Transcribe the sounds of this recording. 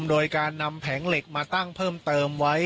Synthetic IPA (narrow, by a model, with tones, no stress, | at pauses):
mdoː˧jkaː˧nːa˧mpʰɛː˩˦ŋle˨˩k̚maː˧t̪a˥˩ŋpʰɤː˥˩mt̪ɤː˧mwa˦˥j